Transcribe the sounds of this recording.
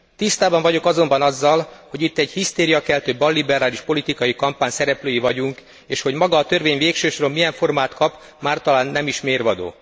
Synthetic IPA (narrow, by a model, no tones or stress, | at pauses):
t̪ist̪aːbɒɱvɒɟo̞kɒzo̞mbɒnɒzːɒlho̞ɟit̪ːɛɟhist̪eːɾijɒkɛlt̪øːbɒlːibɛɾaːliʃpo̞lit̪ikɒjikɒmpaːɲsɛɾɛpløːjivɒɟuŋk | eːʃho̞ɟmɒɡɒːt̪ø̞rveːɲveːkʃøːʃoɾo̞mːijɛɱfo̞rmaːt̪kɒp | maːrt̪ɒlaːnːɛmiʃmeːrvɒd̪o̰ː